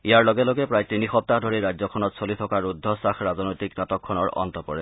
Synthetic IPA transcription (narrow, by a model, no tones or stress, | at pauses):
ijaɹlɔɡɛlɔɡɛpɹajtinixɔp̚taɦdʱoɹiɹajdzɔkʰɔnɔtsolitʰɔkaɹudʱːɔsaxɹazɔnɔjtiknatɔkʰːɔnɔɹɔ̰ntɔpɔɹɛ